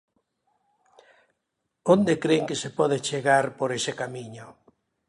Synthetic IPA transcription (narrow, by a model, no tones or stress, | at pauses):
ond̪ekɾeŋkesepɔðet͡ʃeɣaɾpoɾesekamiɲʊ